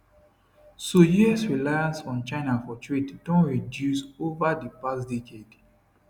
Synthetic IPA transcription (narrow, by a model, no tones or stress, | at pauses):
sojiɛsɹilajãnsɔ̃nt͡ʃaɪnafɔtʰɹitd̥ɔ̃nɹidjusovadipasdeked̥